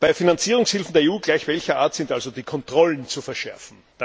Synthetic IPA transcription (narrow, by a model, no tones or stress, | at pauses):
b̥aɪfinant͡siːʁ̞ʊŋshɪlfn̩deːɐeuːɡlaɪçv̥ɛlçɐʔaːɐtsɪntʔalzod̥iːkʰɔntʁ̥ɔlənt͡sufɛɐʃɛɐfn̩ | d̥a